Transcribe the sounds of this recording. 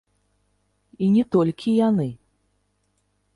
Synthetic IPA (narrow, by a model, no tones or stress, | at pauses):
inʲɛt̪ɔlʲkʲijanɨ